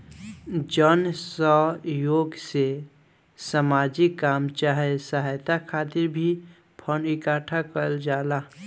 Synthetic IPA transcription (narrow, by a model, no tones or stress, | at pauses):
d͡ʒənsəɦjoːɡse | samaːd͡ʒikːaːmt͡ʃaɦesəɦajt̪akʰaːt̪ɪɾbʱi | pʰənɪkaːʈʰakəld͡ʒaːla